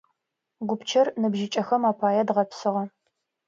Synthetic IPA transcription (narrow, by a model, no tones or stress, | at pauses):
ɡʷʊpt͡ʃʰɐrnɨbʒɪt͡ʃʼɐxɐmaːpʰaːjɛdʁɐpsɨʁɐ